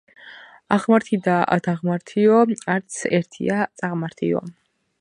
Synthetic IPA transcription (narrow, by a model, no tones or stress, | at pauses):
aʁmaɾt̪ʰid̪aa̰d̪ʰaʁmaɾt̪ʰiɔaɾt̪sʰɛɾt̪ʰḭat̪sʼaʁmaɾt̪ʰḭɔ̰